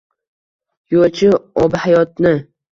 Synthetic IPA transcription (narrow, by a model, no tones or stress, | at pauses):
jot͡ʃʰɪɒbhajɒt̪̚nɪ